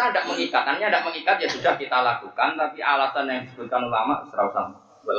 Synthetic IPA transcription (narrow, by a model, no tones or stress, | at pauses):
adaʔ̚məŋikat̪anɲadaʔ̚məŋikat̪̚jasudahkit̪alakukant̪apiʔalasanjaŋdisəbʊt̪̚kanulama̰ʔsəɾausa̰n | bəl